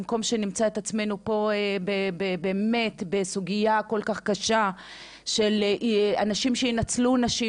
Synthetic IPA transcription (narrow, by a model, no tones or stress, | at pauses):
mko̞mʃenimt͡saet̪at͡sme̞nupo̞ebebebeme̞t̪besuɡijako̞lkaχkaʃa | ʃe̞leʔanaʃimʃeinat͡slunaʃi